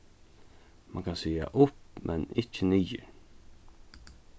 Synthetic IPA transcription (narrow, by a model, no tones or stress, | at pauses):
ma̰ŋkʰansiːa̰ʔʊpmʔɛnɪcːəniːə̰